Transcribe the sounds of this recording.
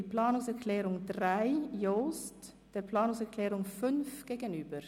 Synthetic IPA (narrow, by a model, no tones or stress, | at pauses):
əplaːnʊŋsɛɾkʰlɛːɾʊŋdraɪjoːst | d̥ɛːɾpʰlɑːnʊŋsɛɹkʰlɛːɾʊŋfʏnfɡ̥eːɡənyːbəɾ